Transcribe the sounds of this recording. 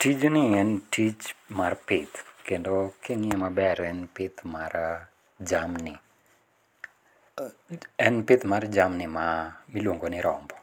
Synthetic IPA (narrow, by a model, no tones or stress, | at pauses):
tid͡ʒnɪɛntit͡ʃmarpɪt̪kendokʰeŋɪɛmabɛɾɛnpɪt̪maɾa | d͡ʒamnɪ | ɛnpɪt̪mard͡ʒamnɪmamilwoŋɡonɪɾɔmbɔ